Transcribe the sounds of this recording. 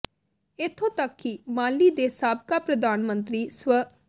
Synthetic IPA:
ɪt̪ʰːõːt̪əkːimaːliːd̪eːsaːb̚kaːpɾəd̪aːnmə̃nt̪ɾiːswə

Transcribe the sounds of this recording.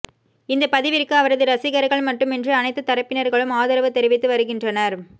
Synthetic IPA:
ɪnd̪ɐpɐðɪʋɪrkɯɐʋɐɾɐðɯɾɐsɪɣɐɾɐɣɐɭmɐʈːɯmɛndrɯɐnɐɪt̪ːɯt̪ːɐɾɐpːɪnɐɾɣɐɭɯmaːðɐɾɐʋɐt̪ːɛɾɯʋɪt̪ːɯʋɐɾɯɣɪndrɐnɐɾ

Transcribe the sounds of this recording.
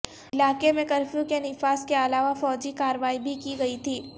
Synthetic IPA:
ɪlaːkemẽkɐɾfjõkenɪfaːskeɐlaːʋafɔːd͡ʒikaːɾəʋaːibʱikiɡɐit̪ʰiː

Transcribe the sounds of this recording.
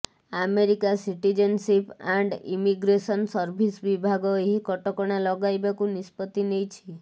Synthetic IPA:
ameɾikasiʈid͡ʒənsipaɳɖḭmiɡɾesɔnsəɾbʱisʋibʱaɡɔeɦikɔʈɔkɔɽ̃alɔɡajbakunispɔt̪inejt͡ʃʰi

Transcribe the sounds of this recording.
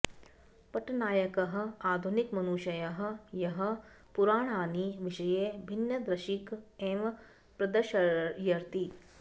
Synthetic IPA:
pɐʈnaːjɐkɐɦɐ̆aːd̪ʱunikmɐnuːʃɐjɐɦɐ̆jɐɦɐ̆ | puɾaːɳ̃aːniʋiʃɐjeːbʱinjɐd̪ɾɐʃikeʋ | pɾɐd̪ɐʃɐjɐɾt̪i

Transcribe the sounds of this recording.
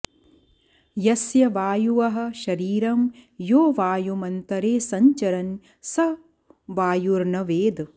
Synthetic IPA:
jɐsjɐʋaːjuʋɐɦɐ̆ʃɐɾiːɾɐmjoːʋaːjumɐnt̪ɐɾeːsɐɲt͡ʃɐɾɐn | sɐ | ʋaːjuɾɳɐʋeːd̪

